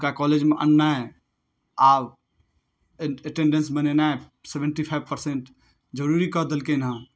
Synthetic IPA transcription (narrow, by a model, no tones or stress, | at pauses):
kakɔːleːd͡ʒmeʔə̰nːaɛ | aːb | əʈẽɳɖə̃nsmənenaɛ | sebə̃ɳʈipʰaɪbpəɾseɳʈ | d͡ʒəɾuɾikəd̪əlkenã